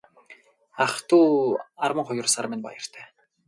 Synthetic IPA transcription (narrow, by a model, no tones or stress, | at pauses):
aχt̪uːarwə̆ŋχʊjʊ̆rsarmɪnpa̰jə̆r̥t̪ʰæː